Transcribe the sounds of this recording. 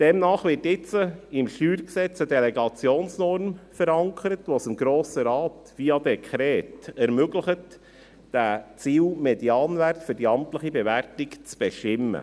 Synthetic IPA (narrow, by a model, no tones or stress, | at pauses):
d̥ɛmnɑːχʋɪɾtɪt͡səɪmʃyːɾksɛt͡sədɛlɛɡɑt͡sjoːnsnɔɾmfəɾɑŋkʰəɾətʋosɪmɡɾoːsəɾɑːt | ʋiːɑdɛkʰχɾɛːtɛɾmøɡləχət | d̥æt͡siːlmɛdiɑːnʋærtfʏɾdiɑmtləχibɛʋærtɪkt͡sb̥ɛʃtɪmːə̰